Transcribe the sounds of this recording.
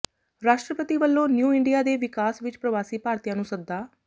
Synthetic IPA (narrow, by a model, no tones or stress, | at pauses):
ɾaːʃʈɾəpət̪iːʋəlːõːnjuːɪɳɖijaːd̪eːʋɪkaːsʋɪt͡ʃpɾəʋaːsiːpaːɾt̪ijãːnũːsəd̪ːaː